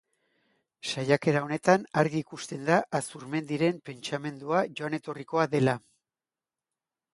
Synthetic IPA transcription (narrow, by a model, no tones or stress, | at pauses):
sajake̞ɾao̞ne̞t̪anaɾɣiːkust̪e̞nd̪aʔːsuɾme̞nd̪iɾe̞mpe̞nt͡ʃame̞nd̪uaʝo̞ane̞t̪o̞riko̞aðe̞la